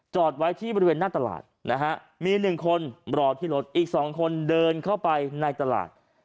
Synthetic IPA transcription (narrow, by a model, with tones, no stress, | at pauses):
t͡ɕɔː˨˩t̪̚wa˦˥jt̪ʰiː˥˩bɔː˧ɾi˧weː˧nːaː˥˩t̪a˧la̰ː˨˩t̪̚na˦˥kʰa˦˥ʔ | miː˧nɯ˨˩ŋkʰo˧nbɾɔː˨˩t̪ʰiː˥˩lo˦˥t̪̚ʔiː˨˩k̚sɔː˩˦ŋkʰo˧ndɤː˧nkʰa˥˩wpa˧jna˧jt̪a˧la̰ː˨˩t̪̚